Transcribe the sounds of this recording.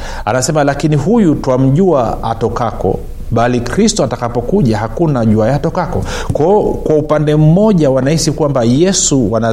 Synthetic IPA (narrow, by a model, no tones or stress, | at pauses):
a̰nasɛmalakiniɦujutwam̩ʄuaa̰tɔkakɔ̰ | ɓalikɾistɔatakapɔkuʄaɦakunaʄuajatɔkakɔ̰ | kɔkwaupandɛm̩mɔʄawanahisikwambajɛsuwana